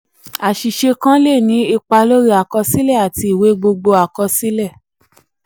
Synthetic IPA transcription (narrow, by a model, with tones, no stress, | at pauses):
a˨ʃi˨ʃe˧kã˦le˦˨nĩ˨˦i˧k͡pa˧lo˦ɾi˦a˨kɔ˧si˦lɛ˦˨a˨ti˧i˨we˨˦ɡ͡bo˧ɡ͡bo˧a˨kɔ˧si˦lɛ˦˨